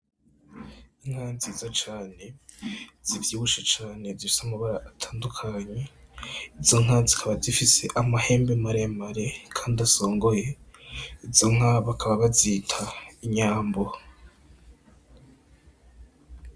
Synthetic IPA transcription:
iŋ̥haːnzizot͡ʃaːne̞ | z̥ivjiːβuʃet͡ʃaːne̞zifi̥samaβaɾaʔːtʰḁːndukʰaɲe̞izo̞ŋɦazikʰaβazifise̞ʔamahe̞ːmbemaɾeamaɾekʰaːndaso̞ːŋɡo̞je̞ | izo̞ŋ̥aβakʰaβaβazitʰaiɲaːmbo̞

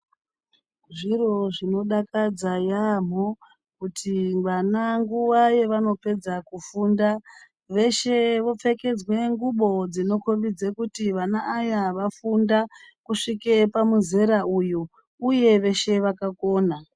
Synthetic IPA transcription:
ʐiro̞ʐino̞ɗakad͡zajam̤o | kutʰimanaŋɡuwaje̞ʋano̞pe̞d͡zakufuːnda | ʋe̞ʃe̞ʋo̞p͡fe̞ke̞d͡zwe̞ŋɡuɓo̞d͡zino̞koʋid͡zekutiʋanaʔːjaʋafundakuʂikepamuze̞ɾaujo | uje̞ʋe̞ʃe̞ʋakako̞ːna

